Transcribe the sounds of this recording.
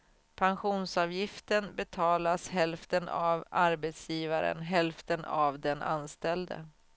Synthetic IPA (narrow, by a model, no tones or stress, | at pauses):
pʰanɧuːnsɑːvjɪft̪ənbɛt̪ʰɑːlashɛlft̪əna̰vaɾbɛt̪sjiːvaɾə̰nɦɛlft̪əna̰vd̪ɛnʔa̰nst̪ɛld̪ə̰